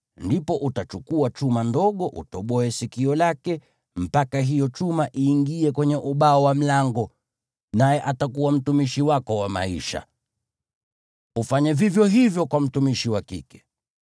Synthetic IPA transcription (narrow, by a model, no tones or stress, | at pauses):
ndipɔʔutat͡ʃukuat͡ʃumandɔɠɔʔṵtɔɓɔɛsikiɔlakɛ | m̩pakaɦijɔt͡ʃumaʔiːŋɡiɛkwɛɲɛʔuɓaɔwam̩laŋɡɔ | najɛʔatakuwam̩tumiʃiwakɔwama̰ḭʃa̰ | ufaɲɛvivjɔɦivjɔkwam̩tumiʃiwakḭkɛ̥